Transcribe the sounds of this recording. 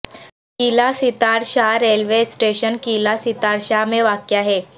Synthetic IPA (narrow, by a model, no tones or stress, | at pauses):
kilasit̪aɾɕaɾelʋesʈeɕənkilasit̪aɾɕameʋakjaɦe